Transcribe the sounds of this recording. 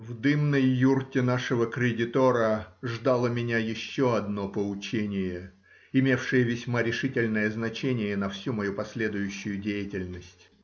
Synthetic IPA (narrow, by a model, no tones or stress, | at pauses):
vd̪ɨmnəjːurtʲɪnaʂəvəkɾʲɪdʲɪt̪oɾəʐd̪alˠəmʲɪnʲajɪɕːoɐd̪nopəʊt͡ɕenʲɪjə | ɪmʲe̞fʂɨjəvʲɪsʲmaɾʲɪʂɨtʲɪlʲnəjəznɐt͡ɕenʲɪjənɐfsʲumɐjupɐsʲlʲe̞d̪ʊjʊɕːʊjʊdʲejɪtʲɪlʲnəsʲtʲ